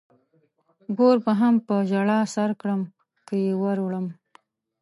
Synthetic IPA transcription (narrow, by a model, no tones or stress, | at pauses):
ɡoɾbaɦampəʒaɽɑsaɾkɽəm | kəjewaɾwɽəm